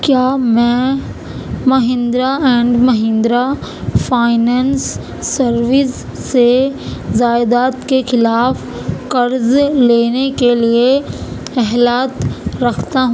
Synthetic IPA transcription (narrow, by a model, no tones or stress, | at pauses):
kjaːmɛ̃ | mɐɦɪ̃nd̪ɾaɛ̃ːɳɖmɐɦɪ̃nd̪ɾafaːɪnɛːnsː | ɐɾʋɪsː | ezaːjd̪aːt̪kexɪlaːf | kɐɾzleːnekelie | ɛɦlaːt̪ɾɐkʰt̪aɦũ